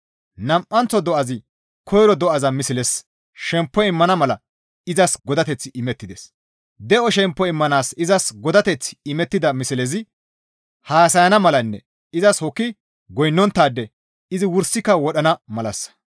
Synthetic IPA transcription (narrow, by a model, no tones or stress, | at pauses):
nɐmʔɐnt͡sːɔd̪ɔʔɐzɪ | kʰɔjɾɔd̪ɔɐzɐmɪsɪlɛs | ʃɛmpːɔɪmːɐnɐmɐlɐ | ɪzɐsɡɔd̪ɐt̪ɛt͡sːɪʔɪmɛt̪ːɪd̪es | d̪ɛʔɔʃɛmpːɔɪmːɐnaːsɪzɐsɡɔd̪ɐt̪ɛt͡sːɪ̥ɪmɛt̪ːɪd̪ɐmɪsɪlɛzɪ | haːsɐjɐnɐmɐlɐnːɛ̰ | ɪzɐshɔkːɪ | ɡɔjnːɔnt̪ːaːd̪ːɛ | ɪzɪwʊɾsːɪkːɐwɔɗɐnɐmɐlɐs